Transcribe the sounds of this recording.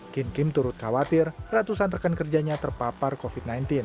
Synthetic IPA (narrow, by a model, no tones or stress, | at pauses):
kinkɪmt̪uɾʊt̪̚kawat̪ɪrrat̪usanrəkankərd͡ʒaɲat̪ərpaparkofit̪̚najnt̪ɪn